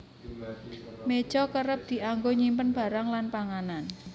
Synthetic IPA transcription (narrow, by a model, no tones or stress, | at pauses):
med̥ʒ̥ɔkəɾəp̚d̪̥i̤ʔaŋɡoɲimpənb̥a̤ɾaŋlanpaŋanan